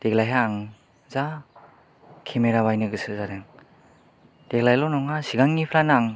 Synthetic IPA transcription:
d̥eɡlajɦaːŋ | za | kʰemeɾaβajnɯɡɯsɯzaɾeŋ | d̥eɡlajlɔnɔŋasiɡaŋːipʰlanaŋ

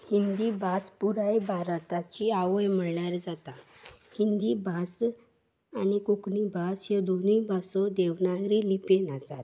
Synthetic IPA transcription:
hind̪ibʱaspuɾajbʱaɾt̪at͡ɕiaʋəjm̤əɭɳaɾd͡zat̪a | hind̪ibʱas | anikuknibʱasjed̪onuibʱasɔd̪eʋnaɡɾilipenasa̰t̪

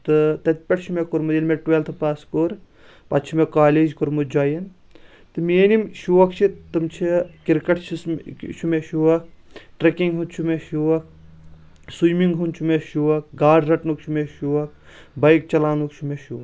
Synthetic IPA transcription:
t̪ɨt̪ɐt̪̚ʲpʲɐʈt͡ʃʰumekuɾmud̪ilmeʈʋelt̪ʰpaːskoɾ | pɐt̪t͡ʃʰumekaːleːd͡ʒkuɾmud͡ʒaːjɐn | t̪ɨmeːnimʃuʋɐkt͡ʃʰit̪ɨmt͡ʃʰikiɾkɐʈt͡ʃʰist͡ʃʰumeʃuʋɐk̚ʈɾekiŋɡɦut͡ʃʰumeʃuʋɐk̚ | sujmiŋɡɦunt͡ʃʰumeʃuʋɐk̚ɡaːɖɾɐʈnukt͡ʃʰumeʃuʋɐk̚ | bɐjk̚t͡ʃɐlaːnukt͡ʃʰumeʃuʋɐk

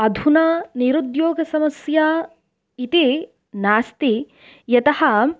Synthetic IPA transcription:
ɐd̪ʱunaːniɾud̪joːɡɐsɐmɐsjaː | it̪i | naːst̪i | jɐt̪ɐhɐ

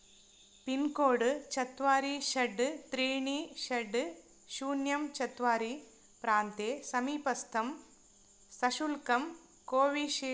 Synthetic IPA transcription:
pinkoːɽɨt͡ʃɐt̪ʋaːɾiʃɐɖːɨt̪ɾiːɳiʃɐɖːɨ | ʃuːnjɐmt͡ʃɐt̪ʋaːɾi | pɾaːnt̪eːsɐmiːpɐst̪ʰɐm | sɐʂulkɐm | koːʋiʃi

